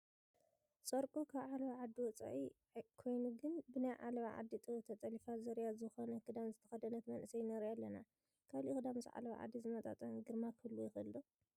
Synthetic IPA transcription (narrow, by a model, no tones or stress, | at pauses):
sʼoɾkʼokʰaβʕalβaʕad̪ːiwɔt͡sʼa̰ʕi | kʰo̞jnuɡɨnbɨnajʕa̰lɐβaʕa̰d̪ːit̪ʼɨt̪ʰɐt̪ʼɐlifazɐɾjazɨxonɐkʰɨd̪amzɨt̪ʰɐ̥xɐd̪ɐnɐt̪mɐnʔɨsɐjnɐɾialːɐna | kʰaβlikɨd̪amzɨʕa̰lɐβa̰ʕa̰d̪ːizɨmɐt̪ʼa̰t̪ʼɐmɡɨɾmakʰɨlːujɪxɨlːu